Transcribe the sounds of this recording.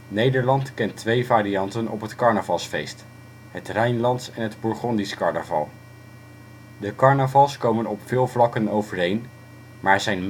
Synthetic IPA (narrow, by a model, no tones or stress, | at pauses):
nejdəɹlɑntkɛntʋejvaːɾiɑntənɔpɦətkɑɹnəvɑlˠsfejst | ɦətrɛjnlɑntsɛnɦədbʊɹχɔndiskɑɹnəvɑ̰lˠ | dəkɑɹnəvɑlˠskowmənɔpfɪːlˠvlɑkənowvərɦejn | maːzɛjnm